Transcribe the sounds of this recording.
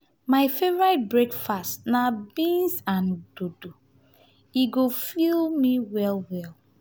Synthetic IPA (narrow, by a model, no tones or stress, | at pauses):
maɪfevɔɹɹaɪt̚bɹekfastnabĩnsãnd̥odo | iɡofilmiwɛlwɛlˠ